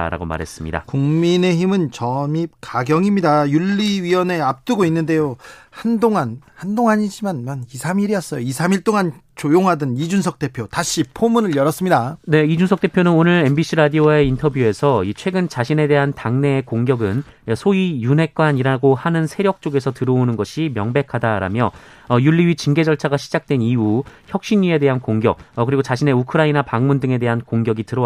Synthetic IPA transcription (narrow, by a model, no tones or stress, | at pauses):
ɾa̰ɡoma̰ɾɦe̞̰s͈ɯmɲḭda̰kuŋmine̞çimɯnt͡ɕʌmip̚kaɡjʌŋimɲidajuɭːiɥiʌne̞ap̚t͈ɯɡoinːɯnde̞johandoŋanhandoŋaɲid͡ʑimanmanisʰamiɾiʌs͈ʌjoisʰamiɭt͈oŋant͡ɕojoŋɦadɯnid͡ʑunsʰʌk̚t͈e̞pʰjotaɕʰipʰomunɯɭjʌɾʌs͈ɯmɲidane̞id͡ʑunsʰʌk̚t͈e̞pʰjonɯnonɯɾembiɕʰiɾadiowaeintʰʌbjue̞sʰʌit͡ɕʰwe̞ɡɯnt͡ɕaɕʰine̞de̞ɦantaŋne̞ːkoŋɡjʌɡɯn | sʰoijunɦe̞k̚k͈waɲiɾaɡohanɯnsʰe̞ɾjʌk̚t͡ɕ͈oɡe̞sʰʌtɯɾʌonɯnɡʌɕʰimjʌŋbe̞kʰadaɾa̰mjʌ | juɭːiɥit͡ɕiŋɡe̞d͡ʑʌɭt͡ɕʰaɡaɕʰid͡ʑak̚t͈we̞niuçjʌk̚ɕ͈inɲːie̞de̞ɦankoŋɡjʌk̚ʌkɯɾiɡot͡ɕaɕʰine̞ukʰɯɾainapaŋmundɯŋe̞de̞ɦankoŋɡjʌɡitɯɾʌ